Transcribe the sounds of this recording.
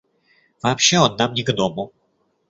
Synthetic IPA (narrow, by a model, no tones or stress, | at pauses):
v̥apɕɛɔnːamnʲɪɡɐd̪ɔmɔw